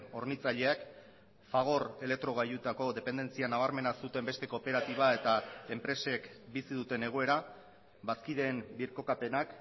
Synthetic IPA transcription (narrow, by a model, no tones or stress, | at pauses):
o̞ɾnit͡saʎe̞ak | faɣ̞o̞ɾe̞lek̚t̪ɾo̞ɣ̞ajut̪ako̞ðe̞pe̞nd̪e̞nt͡sianaβ̞aɾme̞nasut̪e̞mbe̞st̪e̞ko̞pe̞ɾat̪iβ̞ae̞t̪ae̞mpɾe̞se̞kbisiðut̪e̞ne̞ɣ̞o̞e̞ɾa | βaskiðe̞ːmbiɾko̞kape̞nak